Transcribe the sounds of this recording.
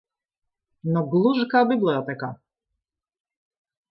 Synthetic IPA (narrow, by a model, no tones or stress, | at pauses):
nɔɡlˠuʒkabiblɛjɔt̪ɛka